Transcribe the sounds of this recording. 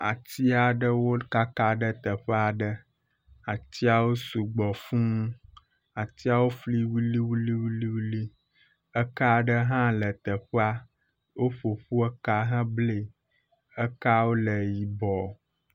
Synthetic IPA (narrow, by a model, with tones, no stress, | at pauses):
a˨t̪i˦a˨ɖə˦wo˦ka˦ka˦ɖə˦t̪ə˨ɸə˦a˨ɖə˦ | a˨t̪i˦a˨wo˦su˨ɡ͡bɔ˨fũ˦ũ˦ | a˨t̪i˦a˦wo˦fli˦wi˦li˦wu˦li˦wi˦li˦wi˦li˦ | ə˦ka˦ɖə˦ɦã˦lə˨t̪ə˨ɸa˦ | wʔo˦ɸo˨ɸu˦ə˦ka˦ɦə̃˦ble˨ | ə˦ka˦wo˦lə˨ji˨bɔ˨